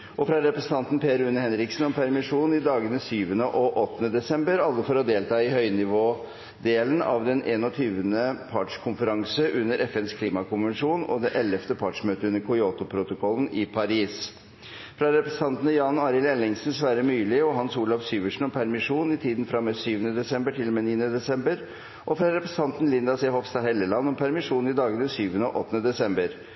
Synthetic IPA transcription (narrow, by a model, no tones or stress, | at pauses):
ʔɔfɾɑɾɛpɾəsən̩t̪ɑnt̪n̩pʰeːɾʉnːəhɛnɾɪksn̩ɔmpʰæɾmɪʂuːnɪd̪ɑːɡənəsyːʋənəʔɔʔɔt̪ːənəd̪ɛsɛmbəɾɑlːəfɔɾɔd̪eːlt̪ʰɑːɪhœʏnɪʋoː | d̪eːlənɑ̰ʋd̪ɛnʔeːnɔt̪ʰyːʋənəpʰɑʈʂkʰʊnfəɾɑŋsəʔʉnːəɾʔɛfɛnskʰliːmɑkʊnʋɛnʂuːnɔ̰d̪ɛʔɛlːəft̪əpʰɑːʈʂmøːt̪əʉnːəɾkʰʊɪoːt̪ʊpʰɾʊt̪ʊkʰɔlənɪpʰɑɾiːs | fɾɑɾɛpɾɛsət̪ɑnt̪ənəjɑːnɑːɾɪlɛlːɪŋsn̩sʋæːɾəmyːlɪɔɦɑnsuːlɑfsyːʋəʂɳ̩ɔmpʰæɾmɪʂuːnɪt̪ʰiːd̪n̩fɾɑmesyːʋənəd̪ɛsɛmbəʈʰɪlːɔmeːniːənəd̪ɛsɛmbəɾ | ʔɔfɾɑɾɛpɾəsən̩t̪ʰɑnt̪n̩lɪnd̪ɑsɛhɔfst̪ɑhɛlːəlɑnːɔmpʰæɾmɪʂuːnɪd̪ɑːɡəd̪ɛnsyːʋənəɔ̰ʔɔt̪ːənəd̪ɛsɛmbəɾ